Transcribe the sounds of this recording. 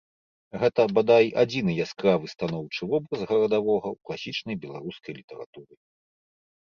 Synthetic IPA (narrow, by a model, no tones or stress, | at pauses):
ɣɛt̪ɐbad̪ajʔad͡zʲinɨjaskɾavɨst̪anɔwt͡ʂɨvɔbɾɐzɣɐɾɐd̪avɔɣɐwklˠasʲit͡ʂnɐjbʲɛlˠaɾuskɐjlʲit̪ɛɾa̰t̪uɾɨ